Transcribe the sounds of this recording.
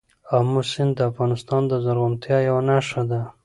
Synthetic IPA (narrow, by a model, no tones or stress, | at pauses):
amusɪnd̪d̪əafɣɑnɪst̪ɑnd̪əzaɾɣʊnt̪jɑjawanaʂad̪a